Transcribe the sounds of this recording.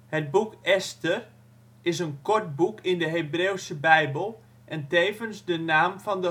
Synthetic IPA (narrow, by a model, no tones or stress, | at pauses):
həd̚bukɛstər | ɪsənkɔɹt̚bukʰɪndəɦebreːwsəbɛjbəlˠ | ʔɛnteːvənsdənaːmfɔndə